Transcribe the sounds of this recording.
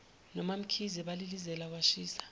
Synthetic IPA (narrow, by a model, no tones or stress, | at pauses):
nɔmam̩kʰiziɓalilizɛlak̬waʃiːsḁ